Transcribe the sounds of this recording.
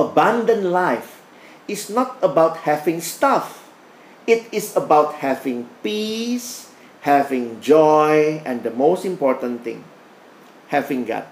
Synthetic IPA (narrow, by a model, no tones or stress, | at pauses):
əbãndə̃nlaɪf | isnɔt̚əbaʊt̚hɛvɪ̃ŋstaf | itisəbaʊt̚hɛvɪ̃ŋpis | hɛvɪ̃ŋd͡ʒɔjɛ̃ndəmostĩmpɔtə̃nt̪ɪ̰̃ŋ | hɛvɪ̃ŋɡa̰t̚